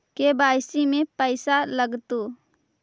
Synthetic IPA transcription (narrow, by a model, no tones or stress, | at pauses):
kebaːjsimẽpəɪsaləɡt̪u